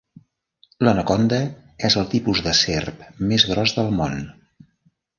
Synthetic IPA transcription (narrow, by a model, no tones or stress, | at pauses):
lənəkɔnd̪əɛzəlˠt̪ipuzðəserpmezɣɾɔzðəlˠmon